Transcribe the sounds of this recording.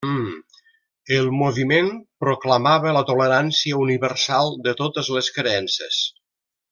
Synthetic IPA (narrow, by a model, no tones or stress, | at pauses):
əlˠmoβimenpɾoklamaβələt̪uləɾansiəuniβəɾsalˠd̪ət̪ot̪əzləskɾeɛnsḛs